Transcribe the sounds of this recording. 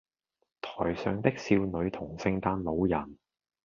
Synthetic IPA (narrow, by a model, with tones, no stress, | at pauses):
t̪ʰɔː˨˩jsœː˨˧ŋt̪ɪ˥k̚siː˧wnɵ˨˧ɥt̪ʰʊ˨˩ŋsɪ˧ŋt̪aː˧nlo˨˧wjɐ˨˩n